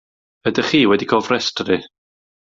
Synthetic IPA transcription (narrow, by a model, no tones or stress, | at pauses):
bədəχiːwɛdikʰɔːlˠvrɛstʰɾi